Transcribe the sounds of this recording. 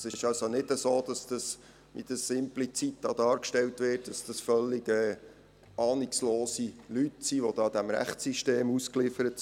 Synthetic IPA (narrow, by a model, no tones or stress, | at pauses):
sɪʃɑlsonɪdəsoːd̥ɑsd̥ɑs | ʋḭd̥əsɪmplit͡sit̚dɑːd̥ɑːɾkʃtɛltʋɪːrt̚d̥ɑsd̥ɑsfœlːiɡɛː | ɑːnɪksloːsilytsiːʋod̥ɑːd̪æmɾæ̰χt͡siʃteːmusklifəɾət